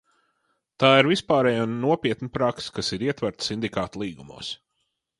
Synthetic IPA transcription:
t̪aːiɾvispaːɾɛjaːnnuɔpʲiɛt̪nipɾakskasiɾiɛt̪væɾt̪sind̪ikaːt̪lˠiːɡumṵɔs

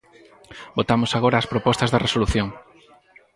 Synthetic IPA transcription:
bot̪amʊsaɣoɾɐːspɾopɔst̪ɐzðɐresoluθjoŋ

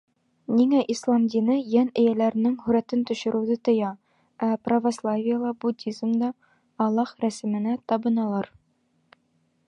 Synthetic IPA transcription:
niŋæʔislˠɑmd̪ʲinɤjænɘ̆jælæɾɘ̆nɘŋhʉɾæt̪ɘnt̪ɵ̆ɕɘ̆ɾʉ̆wðɘt̪ɤ̆jɑ | æprɐvoslˠavʲɪjəlˠɑbud̪ʲizmd̪ɒː | lˠːɑχɾæsɘ̆mɘ̆næt̪ɒbɤ̆nɑlˠɑɾ

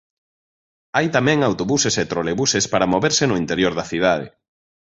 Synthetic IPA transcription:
ajt̪amɛ̃ŋawt̪oβuseset̪ɾoleβusespaɾamoβeɾsɪnʊint̪eɾjoɾðɐθið̞aðḛ

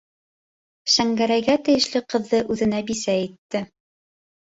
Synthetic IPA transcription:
ʃæŋɡæɾæjɡæt̪ɘ̆jɘ̆ʃlɘqɤ̆ðːɤʔʉðɘ̆næbisæit̪ːɘ

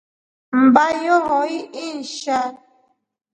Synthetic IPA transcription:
m̩bajɔɦɔiʔin̩ʃa

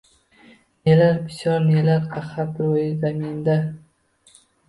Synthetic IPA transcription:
nelaɾpɪ̥sjɒɾnelaɾqʰaχapɾojɪzamind̪a

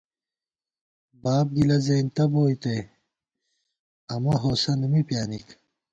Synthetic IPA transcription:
baːb̚ɡilɐzɐjnt̪ɐboːjt̪ej | ɐmɐɦoːsɐnumipjaːnik

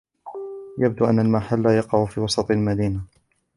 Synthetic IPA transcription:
jab̚d̪uʔanːalmaħalːajɑqɑʕfiːwɑsˤɑt̪ˤalmad̪iːna

